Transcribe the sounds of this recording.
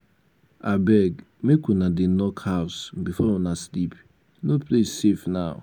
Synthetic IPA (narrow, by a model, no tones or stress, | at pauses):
abɛɡ | mekunadɪnɔkhawʊsbifɔwɔnaslip | noplesefnaʊ̰